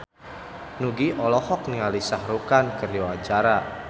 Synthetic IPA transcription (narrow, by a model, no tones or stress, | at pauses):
nuɡiʔɔlɔhɔk̚niŋalisahɾukankərjɔḁt͡ʃaɾa